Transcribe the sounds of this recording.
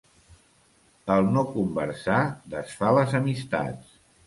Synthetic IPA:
əlˠnokumbə̰ɾsaðəsfaləzəmist̪a̰t͡s

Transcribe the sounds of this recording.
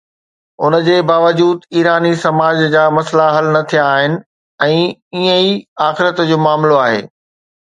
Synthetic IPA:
ʊnə̆d͡ʑeːbaːʋəd͡ʑuːd̪iːɾaːnisɐmaːd͡ʑd͡ʑaːmɐslaɦɐlnɐt̪ʰijaːɦɪnɪ̆ | ɛ̃ːiə̃iaːxɪɾət̪d͡ʑoːmaːmloaːɦḛː

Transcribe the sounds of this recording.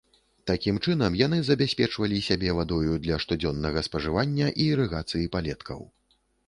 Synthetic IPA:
t̪akʲimt͡ʂɨnɐmjan̪ɨzɐbʲasʲpʲɛt͡ʂvɐlʲisʲabʲɛvad̪ɔjud̪lʲɐʂt̪ud͡zʲɔnːɐɣɐspɐʐɨvanʲːɐʔiɾɨɣat̪sɨjipalʲɛt̪kʰɐ̰w

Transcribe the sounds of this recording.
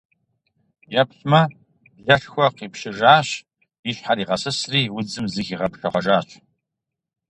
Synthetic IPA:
jɐpɬmɐ | ɮɐɬxʷɔqiːpʂɪʒaːɕ | iɕħaɾiːʁɐsɨsriːwʊd͡zɨmzɪxiːʁɐpɬɐχʷɔʒaːɕ

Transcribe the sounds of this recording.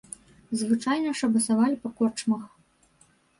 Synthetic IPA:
zvɨt͡ʂajnɐʂɐbɐsavalʲipɐkɔt͡ʂmɐx

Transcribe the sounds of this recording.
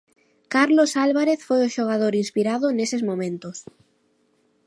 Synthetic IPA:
kaɾlosalβaɾeθfojoʃoɣ̞aðoɾinspiɾaðonesezmõmẽnt̪os

